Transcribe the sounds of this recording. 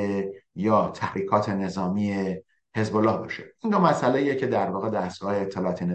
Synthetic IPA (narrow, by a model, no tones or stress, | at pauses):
ejɒːt̪ʰæhɾiːkʰɒːt̪ʰe̞ne̞zɒːmiːe̞ | he̞zbolːɒːhbɒːʃeinɡɒːmæsʔæleijecʰe̞d̪æɾvɒːɣe̞d̪æst̪̚ɡ̥ɒːheːt̪ʰːelɒɒːt̪ʰene